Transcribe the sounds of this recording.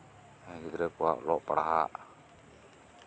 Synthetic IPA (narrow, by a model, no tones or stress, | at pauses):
kid̪ɾɛkua̰ʔlɔʔpəɽa̰ɦaʔ